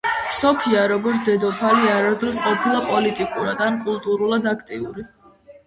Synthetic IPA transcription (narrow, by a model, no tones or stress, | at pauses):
sɔpʰiaɾɔɡɔɾt̪sʰd̪ɛd̪ɔpʰaliaɾazd̪ɾɔs̬qʼɔpʰilˠapʼɔlit̪ʼikʼuɾad̪ankʼulˠt̪ʼuɾulˠad̪akʰt̪ʼiuɾi